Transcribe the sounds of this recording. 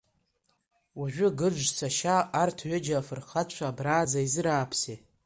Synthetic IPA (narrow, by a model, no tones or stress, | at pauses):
waʒᶣʷʊɡɨd͡ʒʷsʰaʃaːrtʰɥʏd͡ʒafɨrχat͡ʃʷʰaːbraːd͡zaizɨɾaːpʰse